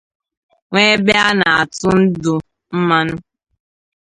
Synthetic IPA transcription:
ŋʷe˦be˦a˦na˨a˨tʊ˦n̩˦dʊ˨ | m̩˦ma˦nʊ˦

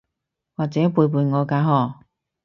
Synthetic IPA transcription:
waː˨k̚t͡sɛː˨˥puː˧jp̬uː˧jŋɔː˨˧kaː˨˧˥ɦɔː˨˩

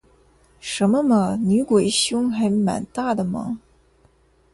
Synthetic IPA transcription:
ʂə˧˥nmə˧mə˧ny˧˥kwe˨˩ɪɕjʊ˥ŋxa˧˥ɪma̰˨˩nt̪a˥˩d̪ə˩mə̰˩

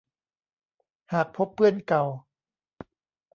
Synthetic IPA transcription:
haː˨˩k̚pʰo˦˥pːɯ˥˩ənka˨˩w

